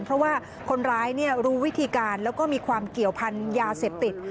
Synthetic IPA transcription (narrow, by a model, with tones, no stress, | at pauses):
npʰɾɔ˦˥waː˥˩ | kʰo˧nɾaː˦˥jni˥˩ɐɾuː˦˥wi˦˥t̪ʰiː˧kaː˧nlɛː˦˥wkɔː˥˩miː˧kʰwaː˧mki˨˩əwpʰa˧njaː˧se˨˩p̚t̪i˨˩t̪̚